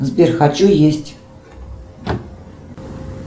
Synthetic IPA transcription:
zbʲerxat͡ʃujesʲtʲ

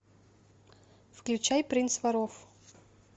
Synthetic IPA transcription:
fklʲʉt͡ɕajpɾʲinsvɐɾof

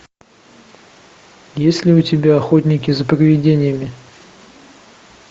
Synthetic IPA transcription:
jesʲlʲɪʊtʲɪbʲaɐxot̪ʲnʲɪkʲɪzəprəvʲɪdʲenʲɪjəmʲɪ

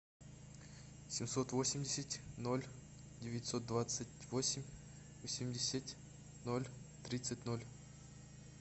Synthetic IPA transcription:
sʲɪmsot̪vosʲɪmʲdʲesʲɪtʲnolʲ | dʲevʲɪtʲsot̪̚d̪vat̪sɨtʲvosʲɪmʲ | vosʲɪmʲdʲesʲatʲ | nolʲt̪ɾʲit̪sɨtʲnolʲ

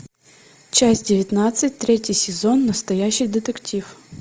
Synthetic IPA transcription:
t͡ɕasʲtʲdʲɪʋʲɐt̪nat̪sɨtʲt̪ɾʲɛtʲijsʲɪzɔnːɐst̪ɐjaɕːɪjd̪ɪt̪ektʲif

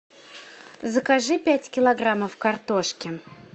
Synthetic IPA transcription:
zəkaʐɨpʲætʲkʲɪlˠɐɡɾaməfkɐrt̪oʂkʲɪ

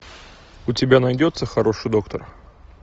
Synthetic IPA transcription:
ʊtʲɪbʲanɐjdʲo̞t̪səxɐɾo̞ʂɨjd̪o̞kt̪ər

